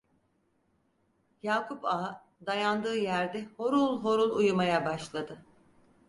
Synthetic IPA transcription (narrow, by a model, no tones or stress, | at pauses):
jaːkʰupa | d̪ajand̪ɯːjæɾd̪ɛho̞ɾulˠɦo̞ɾulˠujumajabaʃlˠad̪ɯ